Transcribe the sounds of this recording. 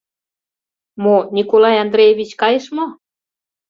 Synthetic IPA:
monʲikolɑjɑnd̪ɾejeβʲit͡ɕkɑjeʃmo

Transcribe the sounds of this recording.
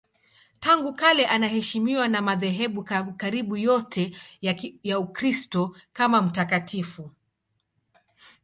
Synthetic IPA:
taŋɡukalɛʔanahɛʃimiwanamaðɛɦɛɓukaɾiɓujɔtʰɛ | jaukɾistɔkamam̩takatʰifu

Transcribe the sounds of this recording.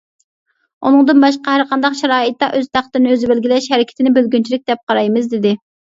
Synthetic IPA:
unɨŋd̪ɨnbɑʃqɑhæɾqʰɑnd̪ɑqʃɛɾɑːɨt̪̚ːɑʔøzt̪ʰæχt̪əɾnɨøzɪbɪlɡʲilɛʃhɛɾɪkʲɪ̥t̪ʰɪnɪbølɡʲynt͡ʃʰilɪk̚ʲd̪ɛp̚qʰɑɾɑjmɨzd̪ɪd̪ɪ

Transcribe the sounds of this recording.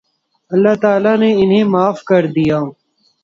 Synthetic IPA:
ɐlːaːt̪aːlaːneɪnɦẽːmaːfkɐɾd̪ijaː

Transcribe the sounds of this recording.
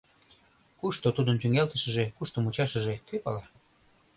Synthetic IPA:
kuʃt̪ot̪ud̪ənt̪yŋelt̪ə̆ʃə̆ʒekuʃt̪omut͡ɕɑʃə̆ʒekøpɑlɑ

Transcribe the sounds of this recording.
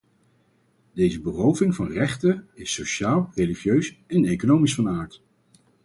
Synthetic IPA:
d̥ejzəbərowvɪŋvɑnrɛχtəɪsowʃaːlˠrejliχjøɥsɛnejkonowmisfɑnaːɹt

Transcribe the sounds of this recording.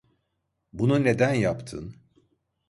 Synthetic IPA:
bunune̞d̪ænjapt̪ʰɯ̰n

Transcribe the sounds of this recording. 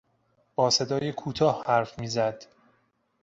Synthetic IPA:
b̥ɒːse̞d̪ɒːjekʰuːt̪ʰɒːhhæɾfmiːzæd̪̥

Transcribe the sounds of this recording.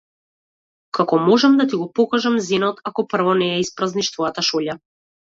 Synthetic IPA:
kakɔmɔʒɛmd̪at̪iɡɔpɔkaʒamzinɔt̪ʰakɔpr̩vɔnɛːispɾazniʃt̪vɔjat̪aʃɔʎa

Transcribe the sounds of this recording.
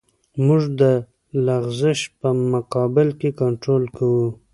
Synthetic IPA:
mʊʐd̪ə | laɣzɪʃpəmʊqɑbɪlkekaɳʈɾolkawu

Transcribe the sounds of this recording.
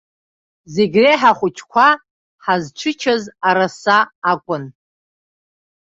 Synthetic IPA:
zeɡʲreħaχʷʊt͡ʃʰkʷʰa | ħazʈ͡ʂʷʰɨt͡ʃʰazaɾasaːkʷʼʊn

